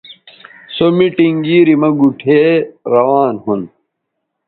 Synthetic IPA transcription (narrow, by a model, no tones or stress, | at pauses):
somiʈiŋɡiːɾimɐɡuʈʰeːɾɐwaːnhun